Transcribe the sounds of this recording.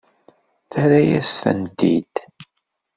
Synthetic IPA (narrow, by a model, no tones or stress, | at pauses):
θæɾæjæsθə̰nt̪ḭd̪̥